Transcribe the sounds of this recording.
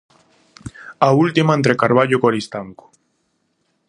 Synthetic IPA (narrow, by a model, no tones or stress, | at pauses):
ault̪imaẽnt̪ɾekaɾβ̞aʎokoɾist̪aŋko̥